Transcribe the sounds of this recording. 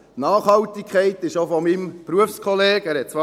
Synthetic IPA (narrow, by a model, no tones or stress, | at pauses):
nɑːχhɑltikʰχɛɪtɪʃofɔmimpɾuəfskʰɔleːɡ̥æːɾhɛt̚t͡sʋɑ